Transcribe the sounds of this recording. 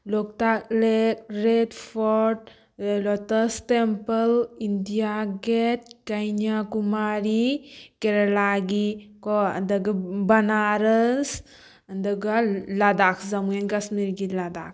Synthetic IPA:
lok̚t̪aklekɾedfɔɾʈ̚ | lɔt̪əstempəlind̪ijaɡet̪̚kajnakumaɾikeɾelaɡikɔ̰d̪əɡəbɐnaɾəs | d̪əɡalad̪akzɐmuenkasniɾɡilad̪a̰k̚

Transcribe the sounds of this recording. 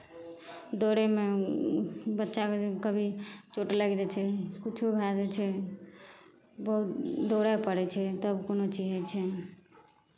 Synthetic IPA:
d̪oɽeme | bətːʃakkəbʱit͡ʃoʈləɡd͡ʒɛt͡ʃʰɛkit͡ʃʰubʱad͡ʒɛt͡ʃʰɛ | bəɦut̪d̪oɽapəɽɛt͡ʃʰɛt̪ɔbkonot͡ʃid͡ʒɛt͡ʃʰɛ

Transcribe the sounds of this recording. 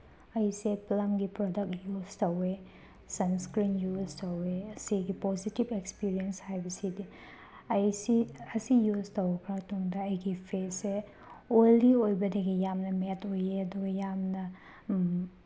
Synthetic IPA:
ɐjseplɐmɡipɾodɐk̚juztɐwe | sɐnskɾinjuztɐweɐsiɡipozitibekspiɾiɐnshajbɐsidi | ɐjsiɐsijuztɐwkʰɾatoŋdɐːjɡipʰese | olːiojbɐdɐɡijamnɐmetojeɐduɡɐjamnɐ

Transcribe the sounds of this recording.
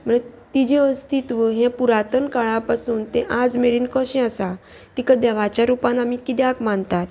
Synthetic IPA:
m̤əɳet̪id͡ʑeəst̪it̪ʋəɦẽpuɾat̪ənkaɭapasuːnt̪ẽʔad͡zmeɾiːnkəɕẽasa | t̪ikəd̪ɛʋat͡ɕjaɾupanamiːkid̪jakmant̪at̪

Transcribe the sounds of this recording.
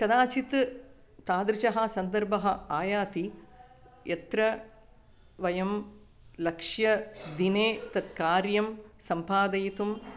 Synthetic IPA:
kɐd̪aːt͡ʃit̪ | t̪aːd̪ɾiʃɐɦɐsɐnd̪ɐɾbɐɦɐ̆aːjaːt̪i | jɐt̪ɾɐ | ʋɐjɐm | lɐkʂjɐd̪ineːt̪ɐt̪kaːɾjɐmsɐmpaːd̪ɐjit̪um

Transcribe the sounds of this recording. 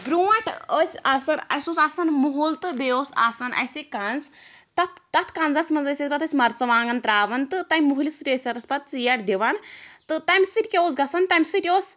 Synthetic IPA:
bɾuːɐʈʰəsʲaːsɐnɐ̰sosaːsɐnmuɦolt̪ɨbeoːsa̰ːsɐnʔɐ̰sʲikanz | t̪ɐpt̪ɐt̪ʰkaːnzɐsmɐnzɐsʲɐt̪sʲpɐt̪ɐsʲmɐɾt͡sɐʋaːŋɡɐnt̪ɾaːʋɐnt̪ɨt̪ɐjʲmuɦlisʈʲeːsʲɐɾɐspɐt̪̚t͡sɨjɐʈd̪iʋɐnt̪ɨt̪ɐmʲsɨʈʲkʲeoːs̬ɡɐsɐnt̪ɐmʲsɨʈʲoːs

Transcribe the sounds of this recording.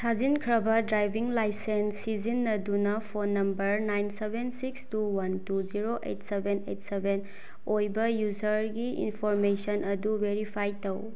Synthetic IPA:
sʰazinkʰɾɐbɐdɾajbʱiŋlajsensːizinːɐdunɐpʰonːɐmbɐɾnajnsebʱensikstuwɐntuziɾoʔḛtsebʱenḛtsebʱen | ojbɐjuzɐɾɡiḭnpʰɔɾmesɐnʔɐdubeɾipʰajtɐw

